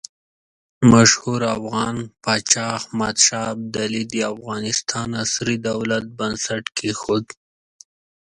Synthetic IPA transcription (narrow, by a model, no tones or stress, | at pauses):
maʃhuɾafɣɑnpɑt͡ʃɑhmad̪ʃɑb̚d̪alid̪iafɣɑnɪst̪ʰɑnasɾid̪awlat̪̚bansaʈkʰexod̪